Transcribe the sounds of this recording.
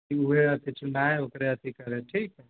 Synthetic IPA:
iuɦeɐt̪ʰit͡ʃʊnɖaːeokɾeɐt̪ʰikɐɾeʈʰiːkɛ

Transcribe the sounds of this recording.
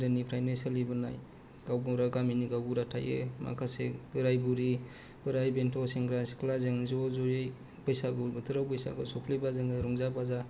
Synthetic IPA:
dɯnipʰɾajnansalibɯna̰j | ɡ̥awbuɾaɡaminiɡawbuɾatʰa̰jḛma̰kʰasebɯɾajbuɾi | b̥ɯɾajbentʰɔsiŋɡɾaskʰlazeŋzɔzɔjj | pɔjsaɡɔbɯtʰɯɾawpɔjsa̰ɡɯsɔpʰlibazɯŋaɾɔŋzabaza

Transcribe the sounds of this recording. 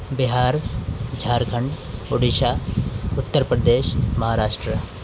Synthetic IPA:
bɪɦaːɾd͡ʒʱaːɾkʰəɳɖ | ʊɽiʃaːʊt̪ːəɾpɾəd̪eːʃmɐɦaːɾaːʃʈɾə

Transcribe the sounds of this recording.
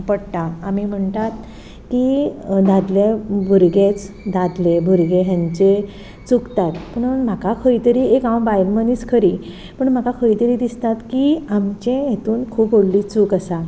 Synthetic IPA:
pəɽt̪aːmim̤əɳt̪at̪ | kid̪ãd̪ljebʱəɾɡet͡s | d̪ad̪lebʱəɾɡeɦjãɲt͡ɕe | t͡sukt̪at̪pəɳm̤akakʰəjt̪əɾiːekawbajlməniːskʰəɾi | pəɳm̤akakʰəjt̪əɾiːd̪ist̪at̪kiamt͡ɕẽjet̪uːnkʰuːpɦoɽliːt͡sukasa

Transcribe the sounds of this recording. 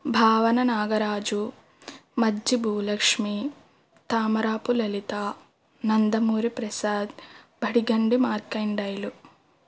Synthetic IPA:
bʱaːʋɐnɐnaːɡɐɾaːd͡ʒu | mɐdd͡ʒibʱuːlɐkʂmi | t̪aːmɐɾaːpulɐlit̪aː | nɐnd̪ɐmuːɾipɾɐsaːd̪ | bʱɐɽiɡɐɳɖimaːɾkɐɳɖɐjlu

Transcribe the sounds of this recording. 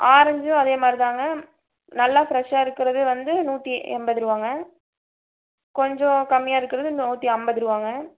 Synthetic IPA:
ʔaːɾɐɲd͡ʒʊ̃ɐðeːmaːd̪ɾit̪aːŋɡɐ | nɐlːaːfɾɛʂaːɪɾɯkːɪɾɐðɯʋɐnd̪ɯnuːʈːiʔɛ̰mbɐðɪɾɯʋaːŋɡɐ | kɔɲd͡ʒɔ̃kɐmːɪjaːɪɾɯkːɪɾɐðɯnuːʈ̪ːiɐmbɐðɪɾɯʋaːŋɡɐ

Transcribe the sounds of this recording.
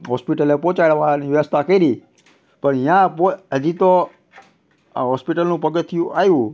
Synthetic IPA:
ɦɔspiʈəlepɔ̃t͡ʃaɭʋaniʋjəʋəst̪ʰakəiɾi | pəɳɪjãpoɦəd͡ʒit̪o | ɦɔspiʈəlnũpəɡət̪ʰːijũʔajũ

